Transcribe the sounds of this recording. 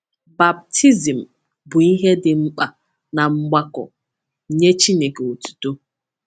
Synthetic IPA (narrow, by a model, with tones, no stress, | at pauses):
ba˨b̚tʰi˦zi˨m̩˨ | bʊ˨i˦ɦe˦dɪ˨ŋ͡m̩˦k͡pa˨ | na˨ŋ͡m̩˦ɡ͡ba˦kɔ̰˨ | ɲe˦t͡ʃi˦ne˨ke˨o˨tu̥˨to˦